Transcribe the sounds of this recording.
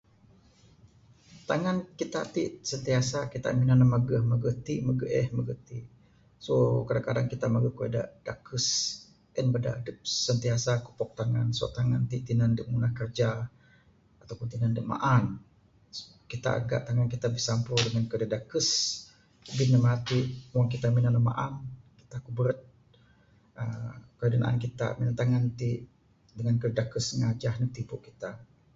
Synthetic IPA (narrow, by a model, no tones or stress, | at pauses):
t̪aŋankit̪aʔt̪iʔsənt̪iasakit̪a̰ʔminanəmaɡəhməɡəht̪iməɡəʔɛhməɡət̪i | sokadaŋkadaŋkit̪amaɡəkuḛda̰ʔd̥akəs | ʔənbəda̰dəp̚sənt̪iasaku̥pɔk̚t̪aŋansɔ̰ʔt̪aŋant̪iʔt̪inandəʔmunahkərd͡ʒa | at̪awpʊnt̪inandəʔma̰ʔan | kit̪a̰a̰ɡa̰ʔt̪aŋankit̪abəsampɾudəŋankədədakəs | binəmat̪iʔmaŋkit̪aminanəma̰ʔankit̪akubəɾət̪̚ | əkədəna̰ʔa̰nkit̪a̰minat̪aŋant̪iʔ | dəŋankədədakəsəŋad͡ʒahnət̪ipuʔkit̪a